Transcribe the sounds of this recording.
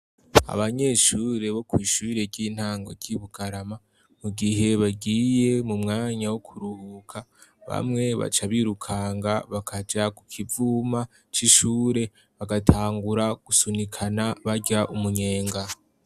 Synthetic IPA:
a̰βaɲe̞ʃuːɾe̞βo̞kwiːʃuβiɾe̞ɟiːn̥haːŋɡo̞ɾɟiβuɡaɾama | muɡiɦe̞βaɡiːje̞mumŋaːɲawokʰuɾuhuːkʰa | βa̰mŋe̞βa̰t͡ʃaβiɾukʰaŋɡaβakʰad͡ʒakukʰivuːma | t͡ʃiʃuːɾe̞ | βaɡatʰaːŋɡuɾaɡ̥usunikʰanaβaɟaʔumuɲe̞ːŋɡa

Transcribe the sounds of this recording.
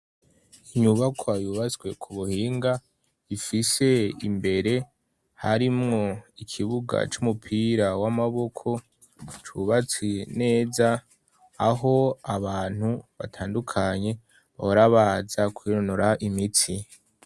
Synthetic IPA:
iɲuβakʰoajuβat͡swe̞kʰuβuhiːŋɡa | ifise̞ḭmbe̞ɾe̞ | haɾimŋo̞ikʰiβuɡa̰t͡ʃumupʰiɾawamaβo̞kʰo̞ | t͡ʃuβat͡sine̞ːzaː | ɦo̞aβaːn̥huβa̰tʰaːndukʰaɲe̞ | βa̰oɾaβaːzakwiɾonoɾaʔimiti

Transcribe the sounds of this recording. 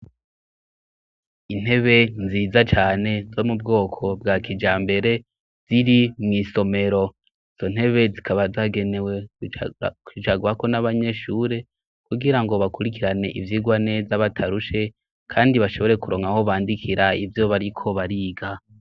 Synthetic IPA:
in̥e̞βe̞nziːzat͡ʃaːne̞zo̞mubɡo̞ːkʰo̞bɡaːkid͡ʒaːmbe̞ɾe̞ | z̥iɾimŋiːso̞me̞ɾo̞ | iz̥o̞n̥he̞βe̞zikʰaβazaɡe̞newe | kit͡ʃaɡuako̞naβaɲe̞ʃuːɾe̞ | kuɡiɾaŋɡo̞βakuɾikiɾane̞ʔḭvjiːɡwane̞ːzaβatʰaɾuʃe̞ | kʰaːndiβaʃo̞βo̞ɾe̞kuɾo̞ŋaho̞βaːndikʰiɾaivjo̞βaɾikʰo̞βaɾiːɡa

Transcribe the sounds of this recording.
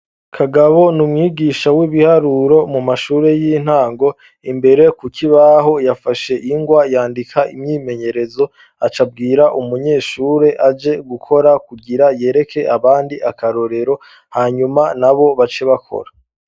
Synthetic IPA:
kʰaɡaβo̞numŋiːɡiːʃawiβihaɾuɾo̞mumaʃuːɾe̞jin̥haːŋɡo̞ | imbe̞ɾe̞kukʰiβaɦo̞jafaʃe̞ʔiŋɡwajaːndikʰaʔḭmɲiːme̞ɲe̞ɾe̞zo̞ | at͡ʃab̚ɡiːɾaʔumuɲe̞ːʃuːɾe̞ʔad͡ʒe̞ɡukʰo̞ɾakuɡiɾaje̞ːɾe̞kʰe̞ʔaβaːndiʔakaɾo̞ɾe̞ɾo̞ | haɲumanaβo̞βat͡ʃeβakʰo̞̰ɾḁ

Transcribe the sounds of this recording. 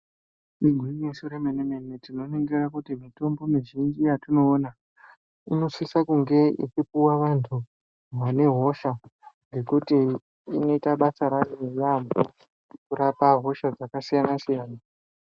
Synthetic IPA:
iɡʱwiesuɾemenenenetino̞neŋɡerakutimito̞mbo̞miʒind͡ʒijatino̞ːna | ino̞swisakuŋɡe̞ḭt͡ʃipuwaʋantʰu | mane̞ɦo̞ʃaŋɡe̞kutiː | no̞itaɓat͡saɾariejambṵ | kuɾapaɦo̞ʃad͡zakasijanasijaːna

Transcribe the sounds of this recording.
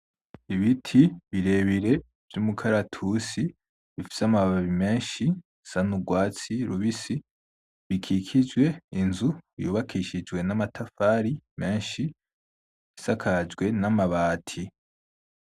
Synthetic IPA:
iβitʰiβiɾe̞βiɾe̞ | v̥jumukʰaɾatʰusi | βifi̥samaβaβime̞ːnʃi | sanuɡwaːt͡siɾuβisi | βikʰiːkʰid͡ʒɡwe̞inzuβijṵːβakʰiːʃid͡ʒɡwe̞namatʰafaːɾime̞ːnʃi | βisakʰad͡ʒɡwe̞namaβaːtʰi

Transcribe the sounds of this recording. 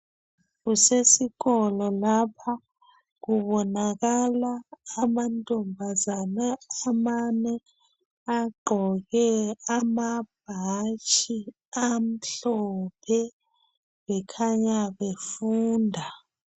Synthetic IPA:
ɣusesiɣɔlɔlapʰa | ɣuβɔnaɣalaːmantʼombʱazanaamanɛ | aɡ͡ǃʱɔɣɛamab̥̚ʱat͡ʃʼʰi | am̩ɬɔpʰɛ | βɛkʰaɲaβefuːndʱa

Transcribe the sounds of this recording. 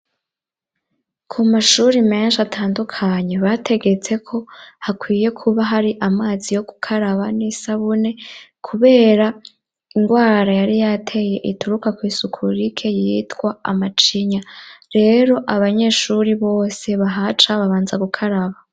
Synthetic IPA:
kʰumaʃuɾime̞ːnʃatʰaːndukʰaɲe̞βatʰe̞ɡe̞t͡se̞kʰo̞hakwiːje̞kʰuβaɦaɾiʔamaːzijo̞ɡ̥u̥kʰaɾaβanisaβune̞kʰuβe̞ːɾa | iŋɡwaːɾajaɾijatʰe̞je̞ʔituɾukakwiːsukʰuɾikʰe̞jitɡwaa̰mat͡ʃiɲaɾe̞ːɾo̞ʔaβaɲe̞ːʃuɾiβo̞ːse̞βaɦat͡ʃaβaβaːnzaɡukʰaɾaβa

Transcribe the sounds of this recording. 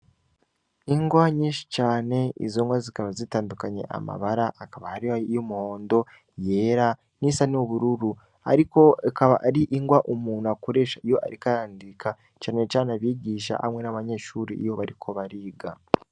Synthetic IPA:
iŋɡwaɲiʃi̥t͡ʃaːne̞ḭzoːŋɡwazikaβazitaːndukaɲe̞̰ʔa̰ma̰βaɾaʔːkaβahaɾiajomuho̞ːndo̞ | je̞ːɾa | nisanioβuɾuɾu | a̰ɾiko̞akaβaʔaɾiʔiŋɡwaʔumuːnakuɾe̞ʃaijo̞ʔa̰ɾikaɾaːndikʰa | t͡ʃaːne̞t͡ʃaːnaβiːɟiːʃa̰ha̰mŋe̞naβaɲe̞ʃuːɾiijo̞βaɾikʰo̞βaɾiːɡa

